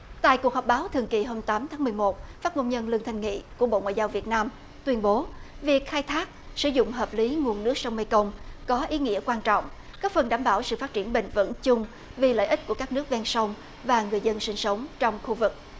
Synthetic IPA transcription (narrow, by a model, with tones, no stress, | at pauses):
t̪a̰ː˧˨jku˨˩ək̚ɦɔ˨˩k͡p̚ɓaː˨˦wt̪ʰɨ˨˩əŋki˨˩ɦo˧mt̪aː˨˦mt̪ʰaː˨˦m˨˩əjmo˨˩t̚faː˦˥t̚ŋo˧wŋ͡mɲə˧nlɨ˧əŋt̪ʰjŋ̟ŋḭ˧˨ku˧˩əɓo̰˧˨ŋwa̰ː˧˨jzaː˧wvi˨˩ət̚naː˧m | t̪wi˧ənɓo˨˦vi˨˩ək̚xaː˧jt̪ʰaː˦˥k̚ | sɨ̰˧˩zʊ̰˧˨ŋ͡mɦəː˨˩p̚li˨˦ŋu˨˩ənːɨ˦˥ək̚sə˧wŋ͡mmə˧jkə˧wŋ͡mkɔ˨˦ʔi˨˦ŋḭ˧˥əkwaː˧nt͡ɕɔ̰˧˨wŋ͡m | kaː˦˥k̚fə˨˩nɗaː˧˩mɓaː˧˩wsɨ̰˧˨fa˦˥t̚t͡ɕi˧˩ənɓḭ˧˨ŋ̟və̰˧˥nt͡ɕʊ˧ŋ͡m | vi˨˩lə̰ː˧˨jʔi̟˦˥ku˧˩əkaː˦˥k̚nɨ˦˥ək̚vɛ˧nsə˧wŋ͡m | vaː˨˩ŋɨ˨˩əjzə˧nsï˧ŋsə˨˦wŋ͡mt͡ɕɔ˧wŋ͡mxu˧vɨ˨˩k̚